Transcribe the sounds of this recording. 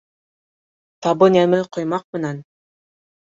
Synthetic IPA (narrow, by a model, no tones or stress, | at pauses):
t̪ɑbɤnæmɘqŏjmɑq̚mɘ̆næn